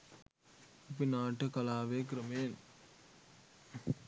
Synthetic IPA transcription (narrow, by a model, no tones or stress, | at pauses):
ɐpinaːʈːɐkɐlaːʋeːk̬ɾɐmeːn